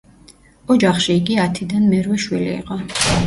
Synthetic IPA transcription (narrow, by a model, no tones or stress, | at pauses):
ɔd͡ʒaχʃiːɡiat̪ʰid̪anmɛɾwɛʃwilḭːqʼɔ